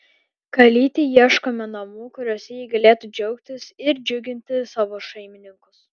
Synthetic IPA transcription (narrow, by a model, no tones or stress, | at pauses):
kɐlʲiːt̪ʲɪjiɛʃkomʲɛnɐmuːkʊɾʲɔːsʲɛjiːɡɐlʲeːt̪uːd͡ʒʲɛʊkt̪ʲɪsɪɾd͡ʒʲʊɡʲɪnʲt̪ʲɪsɑːʋoːʃɐɪmʲɪnʲɪŋkʊs